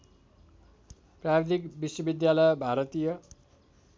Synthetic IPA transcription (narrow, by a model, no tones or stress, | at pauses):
prabed̪ikbiswʌbid̪jalʌjbʱaɾʌt̪ijʌ